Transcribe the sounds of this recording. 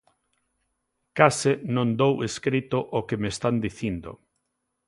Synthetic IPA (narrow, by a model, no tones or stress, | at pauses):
kasɪnõnd̪oweskɾit̪ʊʔokemest̪and̪iθind̪o̰